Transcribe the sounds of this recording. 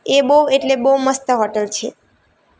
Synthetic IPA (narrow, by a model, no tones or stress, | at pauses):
ebəweʈlebəwuməst̪əɦɔʈəlt͡ʃʰe